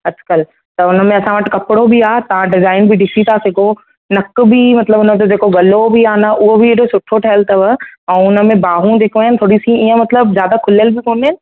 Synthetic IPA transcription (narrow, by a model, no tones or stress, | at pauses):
ɐd͡ʑkəl | t̪ɐʊnə̆mẽɐsãʋɐʈɪ̆kɐpɪɽobʱiaːt̪ɐʋ̤ãɖɪzaːɪnbʱiɖɪsit̪ʰasɪɡo | nɐkbimɐt̪ləbʊnəd͡ʑod͡ʑeːkoɡɐlobʱiaːnɐʔʊɦobʱɪeʈosʊʈʰoʈʰɐɦəlt̪ɐʋəɛ̃ːʊnə̆mẽbaːɦũd͡ʑeːkoaːɦɪnɪ̆t̪ʰoːɽisiiːə̃mɐt̪ləbzjaːd̪akʰʊləlbɪkoːñaːɦɪnɪ̆